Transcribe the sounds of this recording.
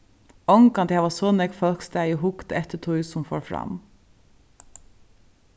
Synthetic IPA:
ɔŋkɑnd̪jæʋɑːsɔːnɛkfɔlkst̪æɪohʊkt̪ɛt̪ətʰʊʏsʊmfo̰ːɹfɾɑ̰m

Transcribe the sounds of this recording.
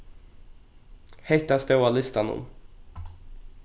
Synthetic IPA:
hɛjt̪ast̪ɛalɪst̪anɔ̰m

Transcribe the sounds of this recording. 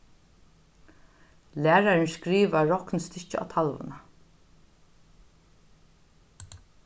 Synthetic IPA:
læːɾaɾənskɾiːʋaɹɔknst̪ɪt͡ʃɪa̰ːt̪ʰalʋʊ̰na

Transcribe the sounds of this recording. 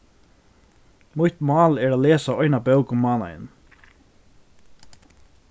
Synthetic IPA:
mʊʏt̪mɑːleːɾoːleːsɑɔʏnɑbœʊkʊmɑːnɑ̰ɪ̰n

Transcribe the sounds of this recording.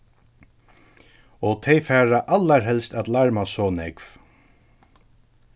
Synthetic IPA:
ɔt̪ʰɛjfɛːɹaʔalːaɹɦɛlst̪at̪laɹmasɔːnɛkv

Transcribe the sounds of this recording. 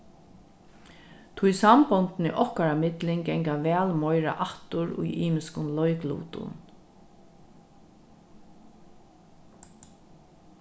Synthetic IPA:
t̪ʰʊjsambɔnt̪nɪʔɔhkaɾamɪt̪lɪŋɡɛŋkaʋɛːlmɔjɾa̰ʔaht̪ʊɾṵjʔiːmɪskʊnlɔjklṵːt̪ʊ̰n

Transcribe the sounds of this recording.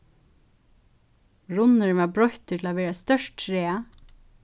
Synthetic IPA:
ɹʊnəɹʋɑːbɹɔçt̪əʈʰɪl̩oːʋæːɾəst̪œʃʈʈɾeːə

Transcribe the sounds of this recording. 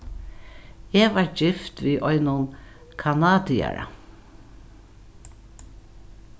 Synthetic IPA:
ɛvaɹd͡ʒɪft̪viːʔɔjnʊn | kʰanaːd̪ia̰ɾa̰

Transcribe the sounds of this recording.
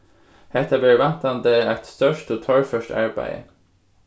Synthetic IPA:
hɛt̪ʰəbeɹʋænt̪ɑnd̪eæɪt̪st̪œʃtoːt̪ʰɑːɹfœʃtɑ̰ɹbæ̰ɪə̰

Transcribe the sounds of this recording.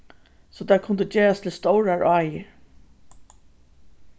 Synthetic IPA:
sɔt̪ʰakʰʊnd̪əd͡ʒeːɹast̪ʰɪlst̪ɔwɹaɹʔɑːjə

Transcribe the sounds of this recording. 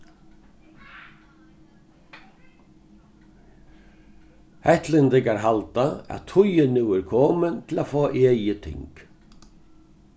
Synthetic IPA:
hɛht̪lɪnd̪ɪɡaɾɦalt̪aæ̰t̪ʰʊjənʉːəɾkʰoːmənt̪ʰɪlaːfoːʔeːjət̪ʰɪ̰ŋk

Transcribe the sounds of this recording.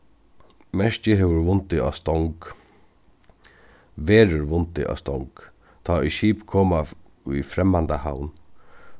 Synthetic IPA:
mɛʂt͡ʃɪɦɛʋʊɾʋʊnt̪ɪa̰st̪ɔŋk | ʋeːɾʊɾʋʊnt̪ɪ̰ʔa̰st̪ɔ̰ŋk | t̪ʰaːiʃiːpkʰɔːma | ḭfɾɛmːant̪aha̰wn

